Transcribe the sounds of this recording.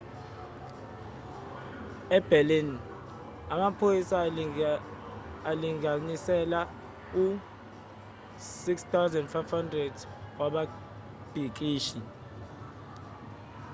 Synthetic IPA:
ɛb̥ʱɛlin | amapʰojisa | aliŋanisɛla | u | sikstʰawzɛndfajfhandrɛd | waɓa | b̥ʱik̬ʼiːʃi

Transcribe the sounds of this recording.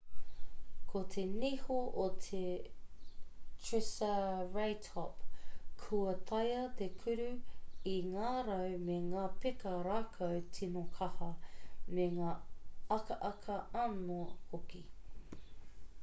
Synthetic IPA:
kʰot̪ʰenihoʔot̪ʰe | tʰɹɪsɐɹajtʰɔpkʰuɐt̪ʰɐjɐt̪ekʰʉɾʉiŋaːɾɐwmeŋaːpekɐɾaːkʰɐwtʰinokʰɐhɐmeŋaːɐkɐʔɐkʰɐɐnohoki

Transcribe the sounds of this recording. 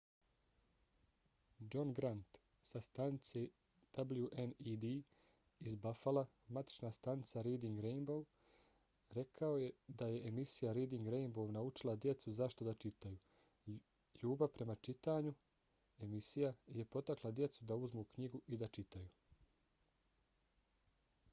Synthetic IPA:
d͡ʒo̞nɡɾant̪ | sast̪anit̪se | d̪̥abljuʔenid̪i | izbafala | mat̪i̥t͡ʃnaːst̪anit̪saɾeːd̪iŋɡɾejnbow | ɾe̞kʰao̞je̞d̪aje̞ːmisijaɾejd̪iŋɡɾejnbownaut͡ʃilˠad̪je̞t̪suzaʃt̪o̞d̪at͡ʃit̪ajuː | ʎuːbapɾʔe̞mat͡ʃit̪aːɲu | e̞misijaje̞po̞t̪aklˠad̪je̞t̪sud̪auzmuːkɲiɡuʔid̪at͡ʃit̪ajuː

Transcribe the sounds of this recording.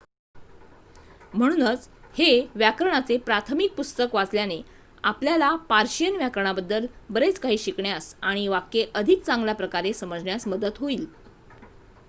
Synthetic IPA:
m̤əɽ̃uːnət͡sheʋjakɾəɳat͡sepɾat̪ʰəmik̚pust̪əkʋat͡sljane | apljalapaɾɕijənʋjakəɾəɳ̃abəd̪ːəlbəɾet͡skaɦiːɕikɳjasaɽ̃iʋakːeʔəd̪ʱik̚t͡sãŋɡljapɾəkaɾesəməd͡zɳjasməd̪ət̪ɦoiːl

